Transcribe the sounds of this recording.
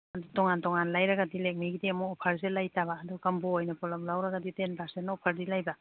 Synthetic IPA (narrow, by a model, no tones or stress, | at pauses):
ɐdutɔŋantɔŋanlajɾɐɡadilek̚miɡidiɐmuɔpʰɐɾzelajtaβaːdɔkɐmboːjnɐpɔlɐmlawɾɐɡɐditenpaɾsennɔpʰaɾdilajba